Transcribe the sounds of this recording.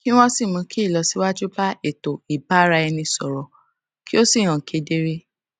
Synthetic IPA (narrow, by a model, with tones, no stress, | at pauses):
kĩ˦w̃ɔ̃˦si˦˨mũ˨˦kʰi˦˨lɔ˨˦si˨˦wa˦d͡ʒu˦ba˦e˨to˨i˨ba˦ɾa˧ɛ˧nĩ˧sɔ˨ɾɔ˨ | kʰi˦o˦si˦˨ɾ̃ã˨kʰe˨˦de˦ɾe˦